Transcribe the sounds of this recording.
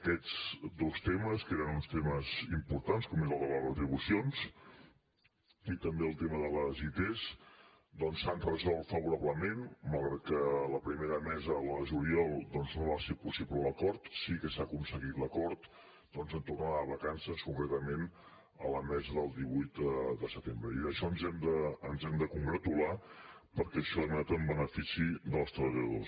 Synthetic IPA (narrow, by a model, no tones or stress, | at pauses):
əkɛd͡zd̪ost̪eməskeɾənunst̪eməzimpuɾt̪anskɔmezəlˠðələrət̪ɾiβusions | it̪əmbeəlˠt̪eməðələzit̪ez | d̪ɔnsanrəzɔlˠt̪fəβuɾaβləmenməlˠɣɾɛt̪̚kələpɾimeɾəmɛzələʒuliɔlˠd̪ɔnznoβasepusiβlələkɔɾt̪sikəsakunsəɣit̪ləkɔɾt̪ | d̪̥ɔnzənt̪urnaəβəkansəskuŋkɾɛt̪əmen | ə̰ləmɛzəðəlˠd̪iβujt̪əd̪əsət̪embɾəiəʃɔənzɛmd̪əːnzɛmd̪əkuŋɡɾət̪ulapəɾkɛəʃɔanat̪əmbənəfisiðəlˠst̪ɾəβəʎəðos